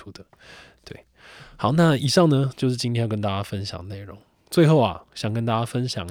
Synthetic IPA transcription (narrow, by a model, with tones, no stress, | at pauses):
u˥d̪ə˨ | t̪we˥˩ɪ | hɑ˨˩˦ʊna˥˨i˨˩ʂɑ˥˩ŋnə˦t͡ɕjo˥˧ʊʂɻ̩˥˩t͡ɕi˥nt̪ʰẽ˥jkə˦nt̪a˥˧˩t͡ɕja˥˧fə˦nɕjɑ̰˨˩ŋne˥˩ɪɻo˧˦ŋ | t͡swe˥˧ɪxo˥˩ʊɐ̰˨˩ɕjɑ˨˩ŋkə˦nt̪a˥˧˩t͡ɕja˥fə˦nɕjɑ̰˨˩ŋ